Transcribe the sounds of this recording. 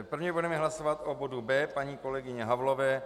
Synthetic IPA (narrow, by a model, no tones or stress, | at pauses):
pr̩vɲɛbudɛmɛɦlasovat̪ʔobodubɛːpaɲiːko̞lɛɡɪɲɛɦavlovɛː